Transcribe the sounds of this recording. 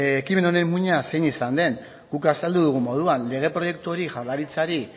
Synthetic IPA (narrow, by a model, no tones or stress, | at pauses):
ekime̞none̞mmːuɲase̞jnisand̪e̞ŋ | ɡukasald̪uðuɣ̞umo̞ð̞uanle̞ɣ̞e̞pɾo̞je̞k̚t̪uo̞ɾiʝalaɾit͡saɾi